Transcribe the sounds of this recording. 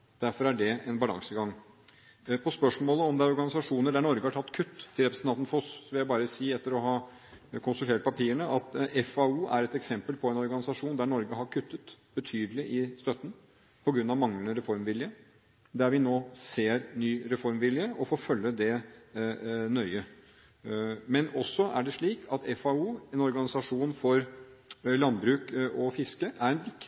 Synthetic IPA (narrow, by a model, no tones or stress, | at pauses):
d̪̥æɾfɔɾæɖɛɛnbɑlɑ̰ŋsəɡɑŋː | pʰɔspœʂmoːləɔmd̪ɛæɾɔɾɡɑnɪsɑʂuːnəɖæɳɔɾɡəhɑʈʰɑt̪ːkʰʉt̪ʰːɪlɾɛpɾəsnʰɑnt̪n̩fɔsʋɪljæɪbɑːɾəsiːɛt̪ːəɾɔɦɑː | kʰʊnsʉlt̪ʰeːʈ̚pʰɑpʰiːəɳəʔɑt̪ɛfɑuːʔæɾɛt̪ɛksɛmpəlpʰɔɛnɔɾɡɑnɪsɑʂuːnd̪æɳɔɾɡəɦɑɾkʰʉt̪ːət̪b̥ət̪ʰyːd̪əlɪʔɪst̪œt̪ːən̩ | pʰɔɡɾʉnːɑʋmɑŋlənəɾɛfɔɾmʋɪljə | d̪æɾʋɪnoːseːɾnyːɾɛfɔɾmʋɪljəɔfoːɾfœlːəd̪ɛ | nœʏə | mɛnɔsːɔʔæɖɛʂɭiːkʰɑt̪ɛfɑuːɛnɔɾɡɑnɪsɑʂuːnfɔɾ | lɑnbɾʉːkɔfɪskəʔæɾɛnʋɪk